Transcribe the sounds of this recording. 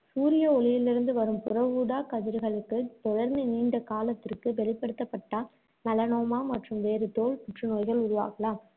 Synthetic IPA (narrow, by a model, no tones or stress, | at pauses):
suːɾɪjɐɔɭɪjɪlɪɾɯnd̪ɯʋɐɾɯmpʊrɐʋuːɽaːkɐðɪɾɯɣɐɭɯkːɯt̪ɔɻɐɾnɐɪniːɳɖɐkaːlɐt̪ːɪrkɯʋɛɭɪpːɐɽɯt̪ːɐpːɐʈːaː | mɐlɐnoːmaːmɐʈrɯmʋeːɾɯt̪oːɭpʊʈrɯnoːjɣɐɭʊɾʊʋa̰ːɣɐlaːm